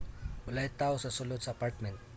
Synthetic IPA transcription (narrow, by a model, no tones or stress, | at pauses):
bʊlajt̪awsɐsʊlʊd̪sɐɐpaɾt̪mɛnt̪̚